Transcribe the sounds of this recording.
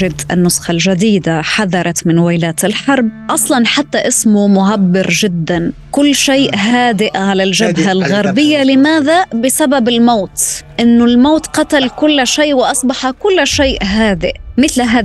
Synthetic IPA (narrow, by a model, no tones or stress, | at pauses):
ɪd̪ʔɪ̰nːʊsxɑlʒad̪iːd̪aħaðɑɾˤɑt̪mɪnwaːlaːt̪ɪlħɑɾˤb̚ʔɑsˤlɑnħat̪ːaʔɪsmʊmʊʕabːɪɾʒɪd̪ːankʊlːʃeːʔɦaːd̪ɪʔʕalalʒabɦalɣaɾˤbɪjːalɪmaːðabɪsababɪlmoːt̪ʔɪnːʊlmoːt̪qɑt̪alkʊlːʃeːʔwɪʔɑsˤbɑħakʊlːʃeːʔɦaːd̪ɪʔmɪθlɦaː